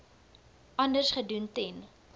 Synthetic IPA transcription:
ʔɐndərsχəduntɛn

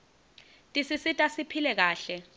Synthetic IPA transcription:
tʼisisitʼasipʰilɛk̬aːɬɛ

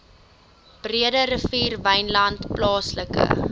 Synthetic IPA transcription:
b̥riədəɾəfiːrvɐjnlɐntplɑːsləkə̰

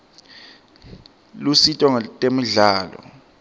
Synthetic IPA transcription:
lusitʼɔŋtʼemiɮaːlɔ̰

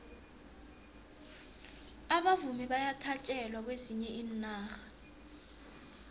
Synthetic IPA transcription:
aɓavumiɓajatʰat͡ʃʼɛlwak̬weziɲɛʔiːn̩naːxḁ

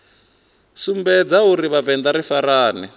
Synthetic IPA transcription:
sumbɛd͡zauɾiβavɛnd̪aɾifaɾaːnɛ

